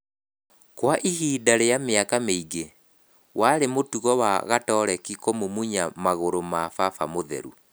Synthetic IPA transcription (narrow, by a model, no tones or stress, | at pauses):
kwaʔihiːdaɾejameakameiɡe | wʔaɾemotuɣɔwa̰ɣatɔːɾɛkikomomuɲamaɣoɾomafafa̰moðɛ̰ɾṵ